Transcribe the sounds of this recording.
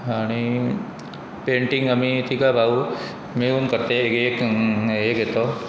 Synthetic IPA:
aɽ̃i | peɳʈiŋɡəmit̪ʰikabʱaʋu | meunkəɾt̪ekekekɦet̪o

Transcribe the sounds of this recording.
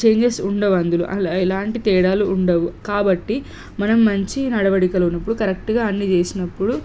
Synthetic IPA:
t͡ʃeːɲd͡ʒesuɳɖɐʋɐnd̪ulṵʔɐ̰lilaːɳʈit̪ɛːɽaːluːɳɖɐʋukaːbɐʈːi | mɐnɐmːɐɲt͡ʃinɐɽɐʋɐɽikɐlɐunːɐpːuɽukɐɾekʈuɡaːɐnːit͡ʃeːsinɐpːuɽu

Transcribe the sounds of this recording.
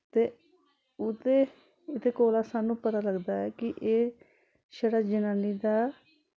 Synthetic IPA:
t̪eː | ʊt̪eː | ɪt̪ʰeːkoːlaːsaːnũːpət̪aːləɡd̪aːɛːkɪʔeː | ʃəɽaːd͡ʒɪnaːniːd̪aː

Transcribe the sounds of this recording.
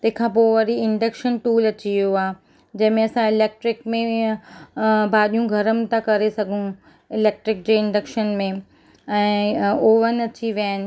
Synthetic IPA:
t̪ɐ̃ɦɪ̃kʰãːp̬oːʋɐɾiɪɳɖɐkʃənʈuːlɐt͡ɕijoaː | d͡ʑɐ̃ɦɪ̃mẽɐsãɪleːk̚ʈɾɪkmẽ | bʱaːɗijũɡʱɐɾəmɪt̪akɐɾesɐɡʱũ | ɪleːk̚ʈɾɪk̚d͡ʑeːɪ̃ɳɖɐkʃənmẽ | ɛ̃ːoːʋənɐt͡ɕiʋjaːnɪ̆

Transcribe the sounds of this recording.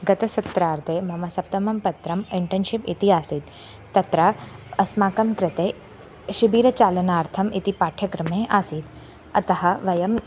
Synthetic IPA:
ɡɐt̪ɐsɐt̪ɾaːɾt̪ʰeːmɐmɐsɐp̚t̪ɐmɐmpɐt̪ɾɐmiɳʈɐnʃipit̪iɦaːsid̪ | t̪ːɐt̪ɾaːɐsmaːkɐmkɾɪt̪eː | ʃibiːɾɐt͡ʃaːlɐnaːɾt̪ʰɐmit̪ipaːʈʰjɐkɾɐmeːʔaːsid̪ | ɐt̪ɐɦɐ̆ʋɐjɐm

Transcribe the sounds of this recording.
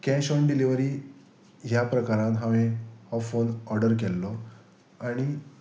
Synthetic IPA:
kɛ̃ɕɔnɖiliʋəɾiː | ɦjapɾəkaɾãt̪ɦãʋẽhɔfonɔɾɖəɾk̬ɛlːɔ | aɽ̃i

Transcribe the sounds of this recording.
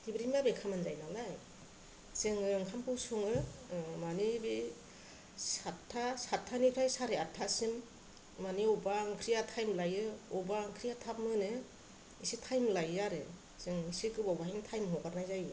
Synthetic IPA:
dibɾimbabekʰamɯnzajnalaj | zɯŋɯŋkʰampʰɯwsuŋɯmanibi | satʰːasatʰːanikʰɾajsaɾeatʰːasim | maniubaŋkʰɾijatʰajmlajɯɔbaŋkʰɾijatʰap̚mɯnɯ | isitʰajmlajːaɾɯ | zɯŋisikɯbɔwbaɦiŋtʰajmɦɔkaɾnajzajɯ

